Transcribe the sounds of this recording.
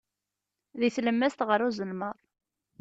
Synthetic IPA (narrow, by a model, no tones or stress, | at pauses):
ðiθləmːæst̪ʁəɾuzəlməðˤ